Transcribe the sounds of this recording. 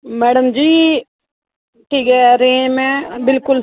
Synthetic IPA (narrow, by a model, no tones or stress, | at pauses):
mɛːɽəmd͡ʒiː | ʈʰiːkɛːɾeːmɛ̃ːbɪlkʊl